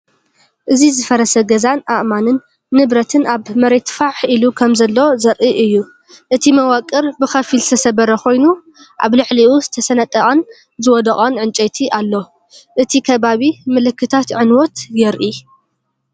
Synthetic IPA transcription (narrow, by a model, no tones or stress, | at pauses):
ʔɨzizɨfɐɾɐsɐɡɐzanʔaʔmanɨnː | ɨβɾɐt̪ʰɨnaβmɐɾe̞t̪faʕħilukʰɐmzɐlːozɐɾʔiʔɨjːu | ʔɨt̪ʰimɐwɐkʼːɨɾbɨxɐfilst̪ʰɐsɐβɐɾɐkʰo̞jnu | ʔa̰βlɨʕliʔuzɨt̪ʰɐsɐnɐt̪ʼːɐχʼɐn | zɨwɔd̪ɐkʼɐnʕɨnt͡ʃʼet̪ʰiʔalːo̞ | ʔɨt̪ʰikʰɐβaβimɨlɨkːɨt̪ʰat̪ʕɨnwɔt̪jɛɾʔi